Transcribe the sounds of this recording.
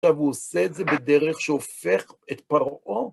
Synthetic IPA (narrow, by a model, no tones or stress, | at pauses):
avuoseːtzebed̪eʁeχʃeofeχet̪paʁʔo